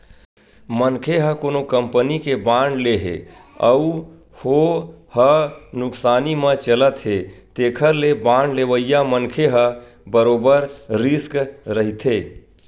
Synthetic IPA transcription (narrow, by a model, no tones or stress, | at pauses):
mənkʰeɦəkonokəmpənikebãɳɖleɦḛəu | hohənʊksaːnimə̃t͡ʃələt̪ɦet̪eːkʰəɾlebãɳɖleʋəjjamənkʰeɦə | bəɾoːbəɾɾiskɾəɦit̪ʰe